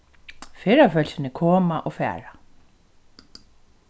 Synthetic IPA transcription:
feːɾafœlsɪnɪkʰɔːmaʔɔɣfɛ̰ːɾa

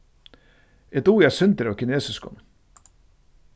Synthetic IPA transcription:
ɛt̪uːjæːsʏnt̪əɾɑːʋkʰɪneːsəskʰɔ̰n

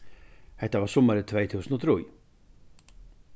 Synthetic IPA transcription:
hɛht̪avaɾ̥sumːaɾɪt̪ʰveːjθʰusənɔt̪ʰɾuj

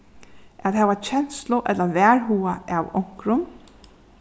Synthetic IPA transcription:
æðɦɛːʋat͡ɕʰɛn̥slʊʔɛt̪lɐʋɛːɹɦuːaawɔ̰ŋ̥kɾʊm

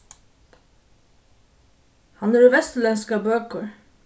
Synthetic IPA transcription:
hɑnæːɾuːʋɛst̪əɭɛnskɑbøːkəɹ

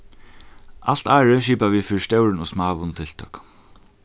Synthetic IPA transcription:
al̥t̪aːɹəʃiːpaʋiːfiːɾst̪ɛwɾɪnɔsmaːʋʊnt̪ʰɪl̥t̪ʰœk

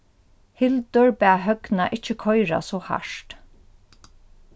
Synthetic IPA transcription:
hɪlt̪ʏɹbæːɦœɡnaʔɪt͡ʃːəkʰɔjɹa̰sɔːha̰ʂt̪

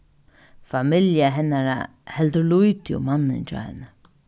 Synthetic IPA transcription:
famɪljaɦɛnːaɾa̰ | hɛld̪əɾlujt̪jʊ̰manːɪ̰nt͡ʃɔ̰ːhɛ̰nə

